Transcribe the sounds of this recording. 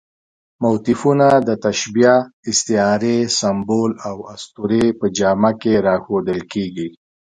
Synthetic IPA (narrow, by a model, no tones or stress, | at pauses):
mawt̪ɪfunad̪ət̪aʃbijaɪst̪ɪɑɾesambolawast̪uɾepəd͡ʒɑmakeɾɑxod̪əlkeɡi